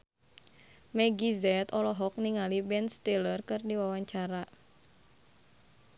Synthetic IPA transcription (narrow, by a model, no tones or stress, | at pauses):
mɛɡizɛt̪ɔlɔɦɔk̚niŋalibɛnst̪elərkɨrdiwawaɲt͡ʃaɾa